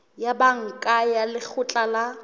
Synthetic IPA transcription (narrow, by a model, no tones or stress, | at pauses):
jabaŋ̩kʼajalɪk͡xʰʊt͡ɬʼala